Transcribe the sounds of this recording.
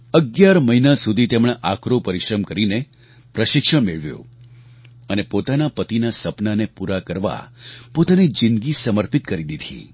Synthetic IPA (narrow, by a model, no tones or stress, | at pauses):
əɡjaɾməinasud̪ʱit̪emɽ̃eʔakɾopəɾɪʃɾəmkəɾine | pɾəʃɪkʃəɳmeɭʋjõ̰ | ənepot̪anapət̪inasəpnanepuɾakəɾʋa̰pot̪anid͡ʒɪnd̪ɡisəməɾpit̪kəɾid̪id̪ʱḭ